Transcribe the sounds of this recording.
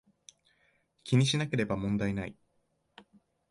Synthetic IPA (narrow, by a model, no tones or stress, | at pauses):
kʲiɲ̟iɕinake̞ɾe̞bamõ̞nd̪ainai